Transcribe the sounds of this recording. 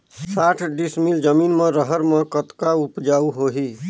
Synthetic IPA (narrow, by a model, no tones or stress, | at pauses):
saʈʰɖismild͡ʒəminmẽɾəɦəɾmə̃kət̪kaupd͡ʒauɦoɦi